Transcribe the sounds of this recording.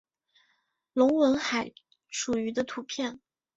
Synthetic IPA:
lʊ˧˥ŋwə˧˥nxa˨˩ɪ | ʂu˨˩y˧˥d̪ə˧t̪ʰu˧˥pʰjɛ˥˩n

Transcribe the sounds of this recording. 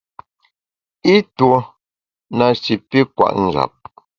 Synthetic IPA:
i˦two˨ | na˨t͡ʃi˨pi˦kwa̰˨ʔn̩˨d͡ʒa̰˨p̚

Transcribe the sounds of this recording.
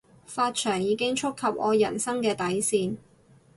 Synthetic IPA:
faː˧t̚t͡ʃʰœː˨˩ŋjiː˨˧kɪ˥ŋt͡ʃʰʊ˥kʰːɐ˨p̚ʔɔ̰ː˨˧jɐ̰˨˩nsɐ˥ŋkɛː˧t̪ɐ˨˥jsiː˧n

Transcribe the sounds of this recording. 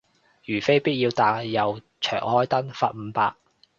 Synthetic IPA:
jyː˨˩fe˥jpiː˥t̚jiː˧wt̪aː˨˧jɐ˨w | t͡ʃʰœ̰ː˨˩ŋhɔː˥jt̪ɐ˥nfaː˧t̚m̩˨˧paː˧k̚

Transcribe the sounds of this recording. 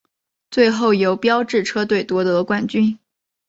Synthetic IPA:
t͡swe˥˧ɪxo˥˩ʊjo˧˥ʊpjɑ˥ʊʈ͡ʂɻ̩˥˩ʈ͡ʂʰɤ˥t̪̬we˥˩ɪt̪wɔ˥t̪ɤ˧˥kwa˨˩nt͡ɕy˥n

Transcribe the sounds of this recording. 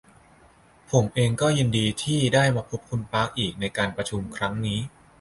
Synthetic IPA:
pʰo˩˦mʔeː˧ŋkɔː˥˩ji˧ndiː˧t̪ʰiː˥˩daː˥˩jmaː˧pʰo˦˥p̚kʰu˧npaː˦˥k̚ʔiː˨˩k̚na˧jkaː˧npɾa˧t͡ɕʰu˧mkʰɾa˦˥ŋniː˦˥

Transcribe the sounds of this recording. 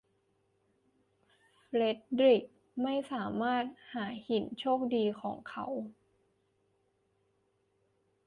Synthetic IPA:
fle˦˥t̪̚ɾi˨˩k̚ | ma˥˩jsaː˩˦maː˥˩t̪̚haː˩˦hi˩˦nt͡ɕʰoː˥˩k̚diː˧kʰɔː˩˦ŋkʰa˦˥w

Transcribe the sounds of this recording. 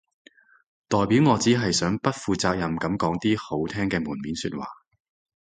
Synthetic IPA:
t̪ɔː˨˩jpiː˨˥wŋɔː˨˧t͡siː˨˥ɦɐ˨jsœː˨˥ŋpɐ˥t̚fuː˨˧t͡saː˧k̚jɐ˨mkɐ˨˥mkɔː˨˥ŋt̪iː˥ho˨˥wt̪ʰɛː˥ŋkɛː˧muː˨˩nmiː˨˥nsyː˧t̚wa̰ː˨˩

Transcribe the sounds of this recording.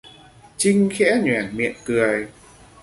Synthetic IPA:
t͡ɕï˧ŋ̟xɛ̰˧˥ɲwɛ˨˩nmḭ˧˨ənkɨ˨˩əj

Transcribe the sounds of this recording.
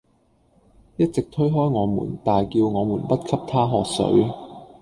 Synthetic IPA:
jɐ˥t̚t͡sɪ˨k̚t̪ʰɵ˥ɥɦɔː˥jŋɔː˨˧mṵː˨˩nt̪aː˨jkiː˧wŋɔː˨˧muː˨˩npɐ˥t̚kʰɐ˥p̚t̪ʰaː˥ɦɔː˨k̚sɵ̰˨˥ɥ

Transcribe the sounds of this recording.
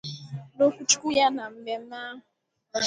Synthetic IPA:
no˦kʷu˦t͡ʃʊ̥˦ku˦ja˦na˨m̩˦me˨m̩˦ma˦ɦʊ˨

